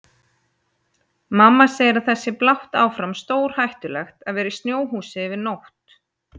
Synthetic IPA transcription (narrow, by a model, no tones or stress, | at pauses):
mamːasɛːjɾaθɛsːɪplawht̪aːwfɾamst̪oːwɾ̥hajht̪ʏlɛxt̪aðvɛːɾɪst̪njoːwɦuːsɪvɪðnowht̪